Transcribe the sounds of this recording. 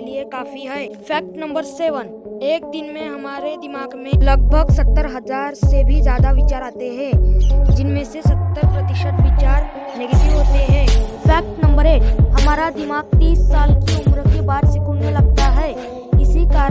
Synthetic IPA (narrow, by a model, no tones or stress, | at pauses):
liekaːfiɦɛːpʰɛːk̚ʈnɐ̃mbəɾseːʋən | eːk̚d̪ɪnmẽɦɐmaːɾed̪ɪmaːɡmẽlɐɡ̚bʱəɡsɐt̪ːəɾɦɐzaːɾsebʱizjaːd̪aʋɪt͡ʃaːɾaːt̪eɦɛ̃ːd͡ʒɪnmẽsesɐt̪ːəɾpɾɐt̪ɪʃət̪ʋɪt͡ʃaːɾ | nɛːɡət̪iʋɦoːt̪eɦɛ̃ːpʰɛːk̚ʈnɐ̃mbəɾeːʈɦɐmaːɾad̪ɪmaːɡ̚t̪iːsːaːlkiʊmɾəkːebaːɾsɪkuːnmẽlɐɡ̚t̪aɦɛː | ɪsikaːɾ